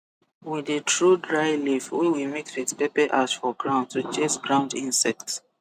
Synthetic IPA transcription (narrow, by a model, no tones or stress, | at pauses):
widətʰɹudɹaɪlifwiwimikitpepəʔasfɔɡɹãʊ̃ndtut͡ʃẽsɡɹãʊ̃ndĩnsɛk̚t